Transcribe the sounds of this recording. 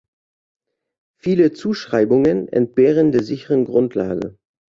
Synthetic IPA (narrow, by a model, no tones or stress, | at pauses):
fiːlət͡suːʃʁ̥aɪbʊŋənɛ̰nt̚b̥eːʁ̞əndeːɐzɪçəʁənɡʁʊntʰla̰ːɡə̰